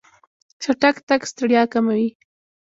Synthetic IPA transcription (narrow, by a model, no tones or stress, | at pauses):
t͡ʃaʈakt̪akst̪aɽjɑkamawi